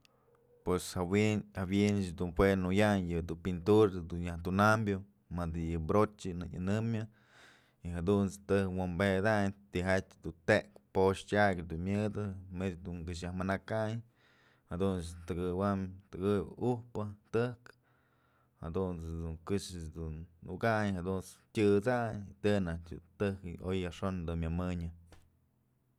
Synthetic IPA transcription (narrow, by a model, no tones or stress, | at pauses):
pweshawiabjend̪unpwenujaɲjɨd̪upint̪uɾd̪unjaht̪unambjo | mad̪ɨjɨbɾot͡ʃʲɨnɨ̰ɲa̰nɨmɨ | iɦad̪unt͡st̪ɨkwambed̪aɲt̪iɦat͡ʃʲd̪ut̪eʔkpoʂtʲaɡʲd̪unmʲjɨd̪ɨmet͡ʃd̪uŋk̬ɨʃ̬jahmɨnakaɲ | had̪unt͡st̪ɨɡɨwamt̪ɨɡɨb̰uhpɨt̪ɨhk | ha̰d̪unt͡sd̪uŋkɨʂɨd̪unːuɡaɲhad̪unt͡stʲɨt͡saɲt̪ɨnat͡ʃʲɨ̰t̪ɨkojaʂond̪unmʲamɨɲɨ